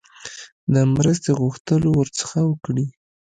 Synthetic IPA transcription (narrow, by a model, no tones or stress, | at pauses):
d̪əmɾəs̬t̪eɣuxt̪əlowəɾt͡sə̥xawəkɽi